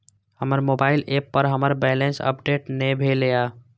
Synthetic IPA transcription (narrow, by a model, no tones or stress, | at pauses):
həməɾmoːbaːɪleːpːəɾɦəməɾbɛːlẽnsə̰p̚ɖeːʈnebʱelijaː